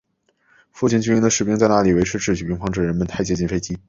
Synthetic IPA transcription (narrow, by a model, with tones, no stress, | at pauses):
fu˥˩t͡ɕʰi˧˩nt͡ɕy˥˧˥ŋd̪ə˧ʂɻ̩˨˩pi˥ŋt͡sa˥˧ɪna˥˩li˨˩we˧˥ɪʈ͡ʂʰɻ̩˥ʈ͡ʂʰɻ̩˥˩t͡ɕy˨˩pi˥ŋfɑ˥ŋʈ͡ʂɻ̩˥˩ɻə˧˥nmə˨˧nt̪ʰa˥˩ɪt͡ɕjɛ˧˥t͡ɕi˥˩nfe˥ɪt͡ɕi˥